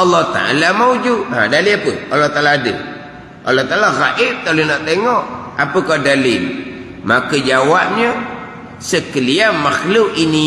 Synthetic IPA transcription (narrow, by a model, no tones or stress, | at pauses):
ɑlːɔt̪a̰a̰lamaud͡ʒua̰daliapəʔɑlːɔht̪alaːdə̰ | ʔɑlːɔht̪alaɣaʔɪt̚t̪alinaʔt̪eŋɔʔ | apəkadali | makəd͡ʒawaʔ̚ɲə | səkəliamaxlʊʔini